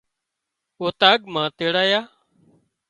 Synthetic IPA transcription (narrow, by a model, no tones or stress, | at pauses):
oːt̪aːɠmãːt̪eːɽaːjaː